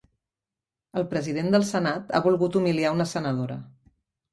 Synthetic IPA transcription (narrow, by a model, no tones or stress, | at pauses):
əlˠpɾəzið̞end̪əlˠsənat̪a̰βulˠɣut̪umiliaunəsənəðoɾə̰